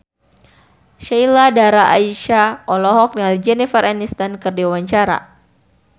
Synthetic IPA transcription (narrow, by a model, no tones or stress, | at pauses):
ʃajladaɾaʔa̰iʃaʔɔlɔɦɔk̚nalid͡ʒɛnifəranist̪ankɨrdiwawaɲt͡ʃaɾa̰